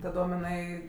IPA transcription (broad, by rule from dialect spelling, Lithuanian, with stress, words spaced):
tɐˈdoːm ɪˈnɐɪ